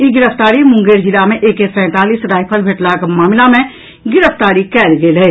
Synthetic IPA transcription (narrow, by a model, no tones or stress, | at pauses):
iɡɪɾəft̪aːɾimʊ̃ŋɡeːɾɦɪlamẽʔeːkepɛ̃ːt̪aːliːsɾaːɪpʰəlbʱeʈlakmaːmɪlamẽ | ɡɪɾəfʰt̪aːɾikɛːlɡeːlɛeː